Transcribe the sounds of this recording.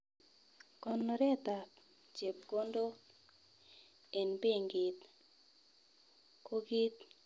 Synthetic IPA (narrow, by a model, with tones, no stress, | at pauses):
kɔ˨nɔ˨ɾɛ˦t̪a˨ | t͡ʃe˨p̚ko˦ndo˦ | e˨npe˦ŋɡɪ˨t̪ | ko˦ɡi˦t̪̚